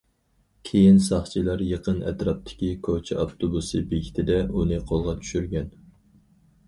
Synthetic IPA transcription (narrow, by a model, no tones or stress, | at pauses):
kʲʰejinsɑχt͡ʃʰilˠɑɾjəqʰənɛ̰t̪ɾɑp̚t̪ʰɪ̥kʲikʰot͡ʃʰɛɑpt̪ʰobusɨbeɡʲit̪ʰɪd̪ɛunɨqʰolˠʁɑt͡ʃʰy̥ʃyɾɡʲɛn